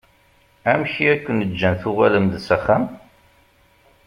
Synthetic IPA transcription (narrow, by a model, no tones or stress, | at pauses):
æmçiækʷːənəd͡ʒːænθʊʁæləmðsæχæm